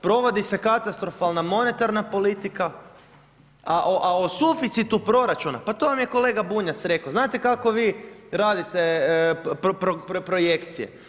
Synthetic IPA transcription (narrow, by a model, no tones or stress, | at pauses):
pɾo̞ʋo̞d̪ise̞kat̪ast̪ɾo̞falˠnamo̞ne̞t̪aɾnapo̞lit̪ika | aʔoʔaosufit̪sit̪upɾo̞ɾat͡ʃunapat̪oʋamjeko̞le̞ːɡabuɲat̪sɾe̞kaoznaːt̪ekako̞ʋiːɾaːd̪it̪e | pɾopɾo̞jekt̪sije̞̰